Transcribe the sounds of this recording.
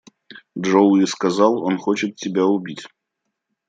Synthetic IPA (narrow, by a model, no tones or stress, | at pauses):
dʐowiskɐzɑlˠonxot͡ɕɪt̪tʲːɪbʲaʊbʲitʲ